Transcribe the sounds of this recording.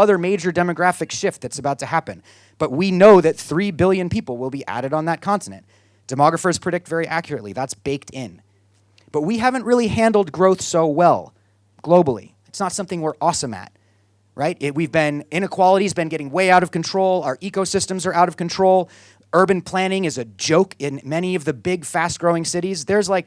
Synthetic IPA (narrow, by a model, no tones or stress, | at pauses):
ʌðə˞meɪd͡ʒə˞dɛmɨɡɹæfɨkʃɪft̪̚ðɨtsəbaʊtʰɨhæpɨ̰̃n | b̥ʌt̚winoʊðɨt̪̚θɹibɪlˠjɨ̃npʰipl̩ˠwɪlˠbiʔæ̰ɾɨɾn̩ðət̚kʰɑ̃ntɨnɨ̰̃nt | d̥ɨmɑɡɹəfə˞z̥pʰɹ̥ɨɾɪk̚tv̥ɛɹiʔækjəɹɨtˡlḭðætsb̥eɪk̚tʰɪ̃n | b̥ʌt̚wiɦævɨ̃nʔ̚ɹɪlˠihæ̃ndl̩ˠd̚ɡɹoʊθsoʊwɛlˠ | ɡ̥loʊbl̩ˠḭ | ɨtsnətsʌ̃mθɪ̃ŋwə˞ʔɔsə̃mɨ̰t̚ | ɹaɪt̚ɪwivbɪ̃nɪ̃ñɨkʰw̥ɑlˠəɾizbɨ̃nɡɛɾɪ̃ŋweɪaʊɾʌv̥kɨ̃ntʰɹ̥oʊlˠʊə˞ʔikoʊsɪstɨ̃mzə˞aʊɾʌv̥kɨ̃ntʰɹ̥oʊlˠ | ɜ˞bɨ̃npʰl̥æ̃ñɪ̃ŋɨzɨd͡ʒoʊkɪ̃nmɛñiʌvðɨbɪɡfæst̚ɡ̥ɹoʊɪ̃ŋsɪɾizðə˞zlaɪk̚